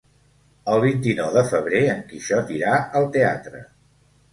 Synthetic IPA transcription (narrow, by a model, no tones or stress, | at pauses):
əlˠβint̪inɔwðəfəβ̞ɾeəŋkiʃɔt̪iɾaəlˠt̪ea̰t̪ɾə̰